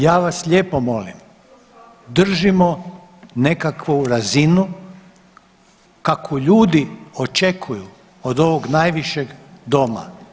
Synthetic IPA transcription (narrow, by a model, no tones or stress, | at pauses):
jaːʋasʎe̞ːpo̞mo̞lḭm | d̪r̩ʒimo̞ | ne̞kakʋuɾazinu | kakʰoʎuːd̪io̞t͡ʃe̞kʰuju | od̪o̞ʋoɡnajʋiʃeɡd̪o̞ma̰